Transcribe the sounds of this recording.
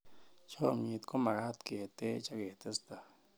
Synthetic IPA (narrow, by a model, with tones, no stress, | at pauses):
t͡ʃo˦ɲi˧t̪kʰo˦ma˨ɡa˦t̪ɡe˨t̪e˦t͡ʃa˦ɡe˨t̪e˦st̪a˨